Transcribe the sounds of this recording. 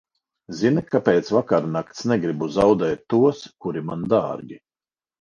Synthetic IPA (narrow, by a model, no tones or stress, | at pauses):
zinikapeːt̪svakaɾnakt̪snɛɡɾibuzawd̪ɛːt̪ʲːuɔskuɾimand̪a̰ːɾɡʲi